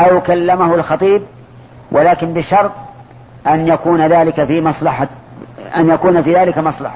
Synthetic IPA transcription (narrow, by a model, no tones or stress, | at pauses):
ajʊkalːamahʊlxɑt̪ˤiːb̚ | wʔalaːkɪnbɪʃɑɾˤt̪ˤ | ʔanjakuːnaðaːlɪkafimɑsˤlɑħa | ʔa̰njakuːnafiːðaːlɪkamɑsˤlɑ̰ħɑ